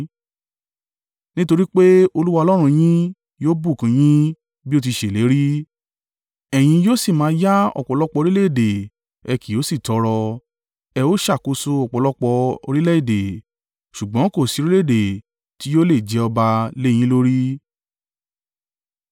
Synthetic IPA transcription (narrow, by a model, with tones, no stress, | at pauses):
nĩ˦to˧ɾi˦k͡pe˦o˧lu˦wa˦˧ɔ˧lɔ˦ɾ̃ũ˧j̃ĩ˦ | joː˦bu˦˨kã˨˧j̃ĩ˦ | bi˦o˦˧t̬i˧ʃe˨le˨˦ɾi˦ | ɛ˨j̃ĩ˧joː˦si˦˨mã˨˦ja˦ɔ̰˨k͡pɔ˨˧˨lɔ˦k͡pɔ˧ɾi˦le˦˨de˨ | ɛ˧ki˨o˨˦si˦˨tɔ˨˧˦ɾɔ˧ | ɛ˧o˦ʃa˦˨ko˧so˧ɔ˨k͡pɔ˨lɔ˦k͡pɔ˧o̰˧ɾi˦lɛ˦i˦˨de˨ | ʃu˨ɡ͡bɔ̃˨˦ko˦˨si˨˧˦ɾi˦le˦˨de˨ | ti˨˦jo˦le˦˨d͡ʒɛ˨˧˦ɔ˧ba˧le˦j̃ĩ˦lo˦ɾi˦